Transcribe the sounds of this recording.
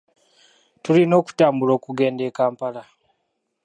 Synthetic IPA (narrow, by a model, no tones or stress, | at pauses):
tulino̞ːku̥taːmbulo̞ːkuɡe̞ːnde̞ːkaːmpala